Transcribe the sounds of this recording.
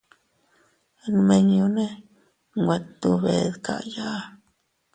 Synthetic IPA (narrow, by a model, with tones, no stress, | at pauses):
nme˧ɲju˧ne˦ | ŋɡʷe˨t̪t̪u˧bḛ˨d̪kʰa̰˨ja˦